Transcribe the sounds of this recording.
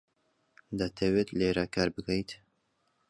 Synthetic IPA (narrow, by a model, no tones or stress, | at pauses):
d̪ɐt̪ʰɐwet̪leːɾakaːɾbɨkɐjt̪